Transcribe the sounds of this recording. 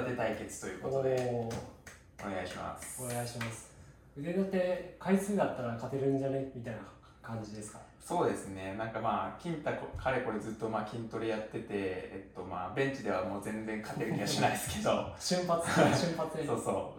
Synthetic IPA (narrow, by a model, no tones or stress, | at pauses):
d̪e̞t̪aike̞t͡sɨ̥t̪o̞jɯ̟ːkoonoeo | one̞ɡaiɕima̰sɨ̥one̞ɡaiɕimasɨ̥ | ɯzenot̪ːe̞kaisɨːd̪at̪ːaɾakat̪e̞ɾɯ̟̃ɲ̟d͡ʑanemʲit̪aina | kãɲ̟d͡ʑid̪e̞sɨ̥ka | so̞ːd̪e̞sɨne̞nãŋkamaːkʲĩnt̪akokʰaɾe̞ko̞ɾe̞zɨt̪ːo̞maːkʲĩnt̪o̞ɾejat̪ːe̞t̪e̞ːt̪ːo̞maːbẽ̞ɲ̟t͡ɕid̪e̞βamo̞ːzẽ̞nd͡zẽ̞ŋkʰat̪e̞ɾɯ̟kʲiɡaɕinaisɨ̥ked̪oɕɨ̃mpat͡sɨɕɨ̃mpat͡sɨd̪eso̞ːsoː